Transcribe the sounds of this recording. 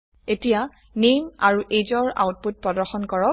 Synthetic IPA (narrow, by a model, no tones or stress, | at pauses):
etija | nemaɹuʔed͡ʒɔɹa̰wt̚put̚pɹɔdɔxɔnkɔɹɔ